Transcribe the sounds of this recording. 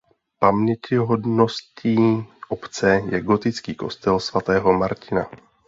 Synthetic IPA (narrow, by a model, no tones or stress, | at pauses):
pamɲɛcɪɦo̞dno̞sciːʔopt͡sɛjɛɡo̞t̪ɪt͡skiːko̞̰st̪ɛlsvat̪ɛːɦo̞maɾcɪna